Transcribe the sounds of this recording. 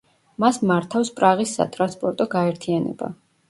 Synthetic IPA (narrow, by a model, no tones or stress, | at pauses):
masmaɾt̪ʰafspʼɾaʁisːa̰t̪ʼɾanspʼɔɾt̪ʼɔɡaɛɾt̪ʰianɛ̰ba̰